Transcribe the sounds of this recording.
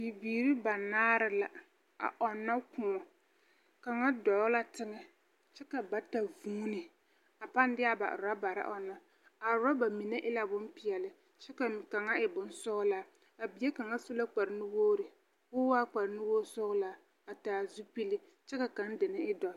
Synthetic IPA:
bi˨biː˨ɾi˦ba˨naː˦ɾɪ˦la˦ | a̰˨ʔɔ˨nːa˦kʊ˦˨˦ɔ˨ | ka˨ŋa˦dɔ˨˦la˦tɪ˦ŋɛ˦ | t͡ʃɛ˦ka˨ba˨ta˨vuː˦nɪ˨ | a˨pa˦n˦dɪ˦a˦ba̰˨ʔɾa˦ba˨ɾa̰˦ʔɔ̰˨na˦ | a˨ɾa˦ba˨mi˨ne˦ʔɪ˦la˨bʊ˦mpɪ˨ɛ˨lɪ˨ | t͡ʃɛ˦ka˨ka˨ŋa˦ɪ˨bʊ˨nsʊ˦ɣʊ˦la˦ | a˨bi˨˦e˦ka˨ŋa˦su˦la˦k͡pa˨ɾnʊ˦woː˦ɾɪ˨ | kʊ˦wa˦k͡pa˨ɾɪ˨˦nɪ˦woː˦sʊ˦ɣʊ˦la˦ | a˨taː˨zu˦pi˦lɪ˦ | t͡ʃɛ˦ka˨ka˨˦n˦dɪ˨nɪ˦ɪ˦dɔ˨˦

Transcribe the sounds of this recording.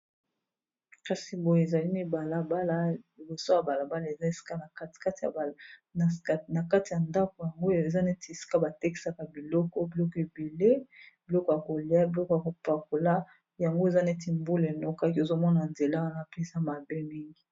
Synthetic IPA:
ka˨si˨bo˨je˨za˨li˦mi˦ba˨la˦ba˦la˦li˨bo˨so˦ja˨ba˨la˨ba˦la˦˨e˨za˦e˨si̥˦ka˦na˨kka˦t | na˨ka˦ti˨ja˨nda˦ko˨ja˨ŋɡo˦˨e˨za˦ne˦ti˨e˨si̥˦ka˦ba˨te˦ki̥˨sa˦ka˨bi˨lɔ˦kɔ˦bi˨lɔ˦kɔ˨e˨be˨le˦b̥i˨lɔ˦kɔ˨ja˨ko˨li˨˦a˦bi˨lɔ˦kɔ˨ja˨ko˨pa˨ko˨la˦ | ja˨ŋɡo˦e˨za˦ne˦ti˨mbu˦le˨no˦ka˦ko˨zo˦mɔ˦na˨nde˨la˦wa˦na˦pe˦e˨za˦ma˨be˦mi˦ŋɡi˨

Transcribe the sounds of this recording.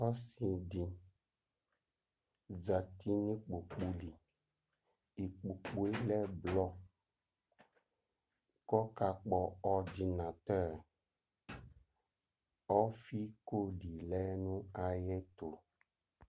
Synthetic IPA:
ɔ˦si˨ɖi˨ | d͡za˨t̪ʰi˦nĩ˦k͡pu˨k͡pu˦li˨ | i˨k͡pu˨k͡pu˨e˦lɛ˦blɔ˦ | kɔ˦ka˨k͡pɔ˨ɔ˨di˨nã˨t̪ɛ˦ɾ | ɔ˦fi˦ko˦ɖi˨lɛ˦nũ˦a˨jɛ˦t̪o˨

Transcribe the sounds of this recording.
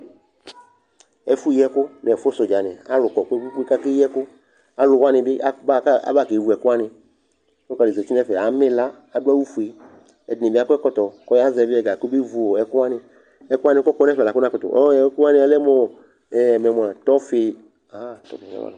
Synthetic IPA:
ɛ˨fu˦jɛ˦kʊ˦nɛ˨fʊ˦sɔ˨d͡ʒa˨nɛ̃˨a̰˦lʊ˨kɔ˨kɛ˦ku˦k͡pe˦ka˦kɪ˦jɛ˦kʊ˦ | a˦lʊ˨wa˦nɪ̃˨bɪ˦ʔa˦ba˦ka˦a̰˦ba˦˨ke˨vu˨ɛ˨kʊ˦a˦nɪ̃˧ | ko˦ka˨de˨zɛ˨t͡ʃi˦nɛ˦fɛ˨a˨mɪ˦la˦ | a˨dʊ˦a˦wu˦fu˨e˨ | ɛ˨dnɪ̃˨bɪ˦a˨˦kʊ˦ɛ˦kɔ˦t̪ɔ˨kɔ˦ja˦zɛ˨bɪ˦ɛ˨ɡa˨ko˦be˦vu˨o˨ɛ˨kʊ˦a˦nɪ̃˧ | ɛ˨˦kʊ˦a˦nɪ̃˦kɔ˦kɔ˦nɛ˦˨la˨kʊ˦nã˦kɔ˨tɔ̰˨ʔɔ˦ɛ˨˦kʊ˦a˦nɪ̃˦a˨lɛ˦mɔ˨ | ɛ˨mɛ˨mu˨ã˨t̪ɔ˦fɪ˦ | a˨˦˨t̪ɔ̰˨˦fi˨a̰˦a̰˨la˨

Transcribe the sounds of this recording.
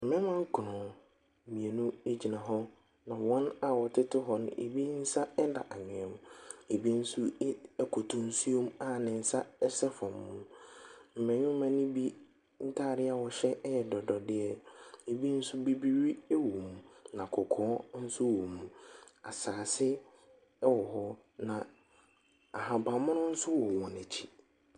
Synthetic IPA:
mɪ̃˦mã˦ŋ˦kʰʊ˨nɔ̃˨ | mĩ˨e˨nũ˦e˦d͡ʑi˨nã˨ɦɔ˦ | nã˨wɔ̃˦na˨wɔ˨tʰɪ˦tɪ˦ɦɔ˦nɪ̰̃˨ʔḛ˨bi˦n̩˦sa˦ɛ˦da̰˨ʔa˨ɲɪ̃˨ɛ̃˨m̃˨e˨bi˦n̩˦sʊ˦kʰɔ˨tʰʊ̃˨n̩˦su˦o˦m˦a˦˨nɪ̃˨n̩˦sa˦ɛ˦sɛ˦fɔ̃˨mːʊ̃˦˨m̩˨mɛ̃˨ɲʊ̃˦mã˨nɪ̃˦bi˦ | n̩˦tʰaː˦˨ɾɪ˦a˨wɔ˨ɕɛ˦jɛ˨dɔ˨dɔ˨dɪ˦ɛ˦e˨bi˦n̩˦sʊ˦bi˦bi˦ɥi˦ɛ˦wu˨mũ˨nã˨kʰɔ˨kʰɔ̃ː˦n̩˦sʊ˦wu˨mũ˨ | a̰˨saː˨sɪ˦ | wɔ˨ɦɔ˦ | nã˨ | a˨ɦã˨ba˨mʊ̃˦nʊ̃˦n̩˦sʊ˦wɔ˨wɔ̃˨næ˨t͡ɕʰi̥˦

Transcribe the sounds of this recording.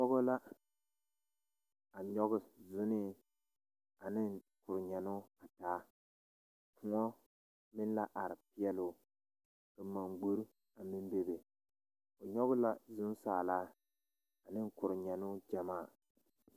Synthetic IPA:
pɔ˦ɣo˦la˦ | a˨ɲɔ˦ɣʊ˦zʊ˦nɪ˦ | a˨nɪ˦ŋ | kʊ˨ɾɪ˨ɲɛ˨nʊ˦a˨taː˨˦ | pʰʊ˨ŋɔ˦ | mɪ˦n˦la˦ʔa˨ɾɪ˨pɪ˦ɛ˦lʊ˦ | kɨ˨ma˨ŋɡ͡bo˦ɾ | a˨mɪ˦m˦be˦be˨ | o˨ɲɔ˦ɣʊ˦la˦zʊ˦n˦saː˨laː˦ | a˨nɪ˦ŋkʊ˨ɾɪ˨ɲɛ˨nʊ˦d͡ʒa˨maː˦˨

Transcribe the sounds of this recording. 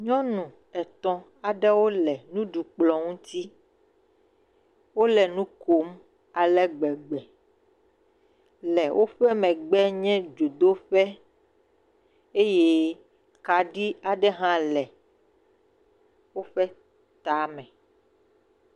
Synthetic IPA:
ɲɔ̃˦nũ˨ | ɛ˨t̪ɔ̃˦ | a˨ɖɛ˦wo˦lɛ˨nũ˦ɖu˨k͡plɔ˨ŋũ˦t̪i˦ | wo˦lɛ˨nũ˦ko˨˦m | a˨lɛ˦ɡ͡bɛ˨ɡ͡bɛ˨ | lɛ˨wʔo˦ɸɛ˦mɛ̃˨ɡ͡bɛ˦ɲɛ̃˦d͡ʒo˨d̪o˦ɸɛ˦ | e˦je˦ | ka˨ɖi˦a˨ɖɛ˦ɦã˦lɛ˨ | wo˦ɸɛ˦ | t̪a˨mɛ̃˨

